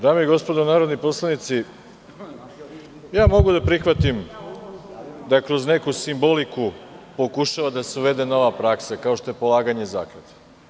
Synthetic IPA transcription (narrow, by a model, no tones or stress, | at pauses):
d̪aːmeiɡo̞spod̪onaːɾod̪nipo̞slˠanit̪si | jaːmo̞ɡud̪apɾixʋat̪im | d̪akɾo̞zne̞kusimbo̞likupo̞kuʃaʋad̪aseuʋe̞d̪e̞no̞ʋapɾaksakao̞ʃt̪o̞je̞po̞lˠaːɡaɲe̞za̰ːkled̪a